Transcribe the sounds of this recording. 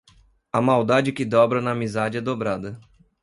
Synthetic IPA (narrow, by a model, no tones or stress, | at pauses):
ɐmawd̪ad͡ʒɪkɪd̪ɔbɾɐnɐːmizad͡ʒɪɛd̪obɾad̪ɐ